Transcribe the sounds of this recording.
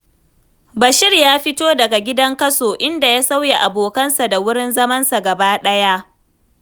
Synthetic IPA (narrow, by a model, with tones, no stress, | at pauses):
bɐ˨ʃɪ˦rjaː˦ɸɪ˦toː˦dɐ˨ɡa˨ɡʲɪ˦dɐ˦ŋkɐ˦soː˨ʔɪ˦nda˨jaː˦sa˦wje˨ʔa˨boː˨kɐ˦nsa˨da˨wʊ˦ɽɪ˦nzɐ˦mɐ˦nsa˨ɡɐ˨baː˦ɗɐ˦ja˦ʔ